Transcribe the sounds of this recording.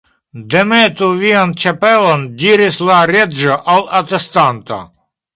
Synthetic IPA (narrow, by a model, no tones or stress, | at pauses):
d̪emet̪uviant͡ʃapelondiɾislaɾed͡ʒoʔawat̪est̪ant̪o̰